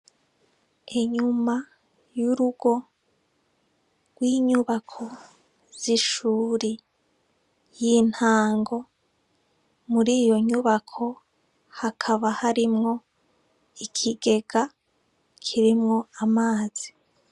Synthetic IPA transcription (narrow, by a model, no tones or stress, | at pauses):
eɲuma | juɾuɡ̥o̞ | ɡ̥wiːɲuβakʰo̞ | z̥iʃuːɾi | jin̥haːŋɡo̞ | muɾiːjo̞ɲuβakʰo̞ | hakʰaβahaɾimŋo̞ | ikʰiɡe̞ɡa | kʰiɾimŋo̞amaːz̥i